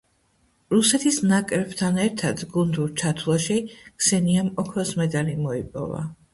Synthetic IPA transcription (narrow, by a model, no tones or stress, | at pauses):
ɾusɛt̪ʰisnakʼɾɛbt̪ʰanɛɾt̪ʰad̪ɡund̪uɾt͡ʃʰat̪ʰulˠaʃiksɛniamɔkʰɾɔsmɛd̪alimɔipʼɔ̰va̰